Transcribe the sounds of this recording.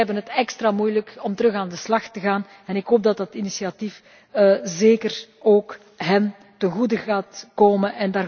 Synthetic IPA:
ɛbənɦətɛkstraːmujləkɔmtəɾɵxaːndəslɑxtəɣaːn | ɛnɪkɦoːp̚dɑtdɑtinisiatif | zeːkər | oːk | ɦɛn | tənɣudəɣaːtkoːmənɛndaː

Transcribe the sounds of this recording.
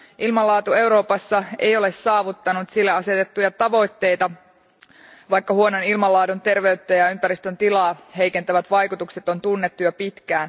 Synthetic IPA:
ʔilmɑlːɑːt̪ue̞wɾo̞ːpɑsːɑe̞̰jo̞le̞sːɑːʋut̪ːɑnut̪silːæɑse̞t̪et̪ːujɑt̪ɑʋo̞jt̪ːe̞jt̪ɑ | ʋɑjkːɑhuo̞nonilmɑlːɑːdunt̪e̞rʋe̞yt̪ːæjɑympæɾist̪ønt̪ilɑːɦe̞jke̞nt̪æʋæt̪ʋɑjkut̪ukse̞t̪o̞nt̪unːe̞t̪ːujɑpit̪k̟æːn

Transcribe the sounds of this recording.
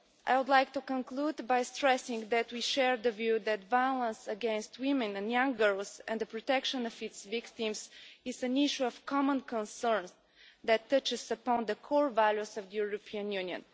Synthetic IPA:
ʔa̰jwʊd̪lajk̚t̪ukə̃nklud̪bajstɹɛsɪ̃ŋðæt̪wiʃɛɹd̪əvjʉðæt̪vajlˠə̃nsəɡɛ̃nst̪wɪ̃mɛ̃nɛ̃njʌ̃ŋɡə˞lˠzɛ̰̃nd̪əpɹɔt̪ɛkʃə̃nɔvɪtsvɪkt̪ɪ̃msɪzɨ̃nɪʃuɔv̥kʰɑmə̃nkə̃nsəɹnz | ðæt̪ːʌt͡ʃɪsəpɔ̃nd̪əkʰɔɹvæljusʌvd̪əjuɹɔpʰiə̃njʉ̃njə̰̃n

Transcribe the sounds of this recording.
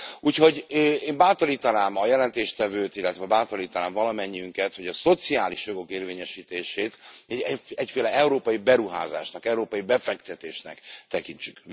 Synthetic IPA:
uːcho̞ɟeːmbaːt̪oliːt̪ɒnaːmɒjɛlɛnt̪eːʃt̪ɛvøːt̪ilːɛt̪ʋɛbaːt̪oliːt̪ɒnaːɱvɒlɒmɛɲːiyŋkɛt̪ho̞ɟɒso̞t̪siaːliʃjo̞ɡo̞keːrveːɲɛʃiːt̪eːʃeːt̪ | ɛcfeːlɛɛuɾoːpɒjibɛɾuɦa̰ːza̰ːʃnɒkɛuɾoːpɒjibɛfɛkt̪ɛt̪eːʃnɛ̰kt̪ɛkiɲt͡ʃyk

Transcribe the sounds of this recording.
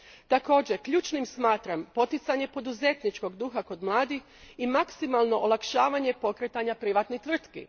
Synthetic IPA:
t̪ako̞ːd͡ʑekʎuːt͡ʃnimsmaːt̪ɾampo̞t̪it̪saɲe̞po̞d̪uze̞t̪nit͡ʃko̞ɡd̪uːxako̞d̪mlˠaːd̪ix | imaksimalˠno̞ʔolˠakʃaːʋaɲe̞po̞kɾet̪aɲapɾiʋat̪nit̪ʋr̩t̪kḭ

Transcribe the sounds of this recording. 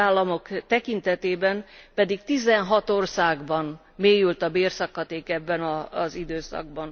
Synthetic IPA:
aːlːɒmo̞kt̪ɛkint̪ɛt̪eːbɛmpɛd̪ikt̪izɛnɦɒt̪orsaːɡbɒn | meːjylt̪ɒbeːrsɒkːɒt̪eːkɛbːɛnɒzid̪øːsɒ̰ɡ̚bɒn

